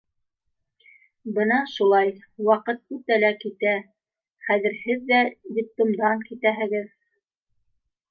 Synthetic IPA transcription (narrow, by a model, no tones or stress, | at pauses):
bɤnɑʃulˠɑj | wɑqɤt̪̚ʉt̪ælækit̪æ | χæðɘ̆ɾhɘðːæd̪ʲip̚t̪omd̪ɑŋkit̪æɦɘ̆ɡɘð